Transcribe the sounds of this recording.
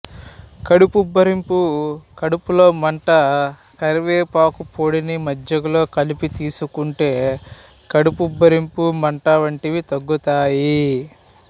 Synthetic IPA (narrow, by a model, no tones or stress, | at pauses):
kɐɽupubɐɾimpukɐɽupulo̞ːmɐɳʈɐ | kɐɾiʋeːpaːkupʰoːɽinimɐd͡ʒɐɡulo̞ːkɐlipit̪iːsukuɳʈe̞ː | kɐɽupubːɐɾimpumɐɳʈɐʋɐɳʈiʋit̪ɐɡːut̪aːji